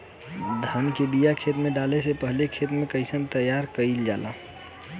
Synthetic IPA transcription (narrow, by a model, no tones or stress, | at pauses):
d̪ʱaːnkeɖijakʰet̪mẽɖalesepəɦlekʰet̪mẽkəɪsənt̪əjaɾkəild͡ʒaːla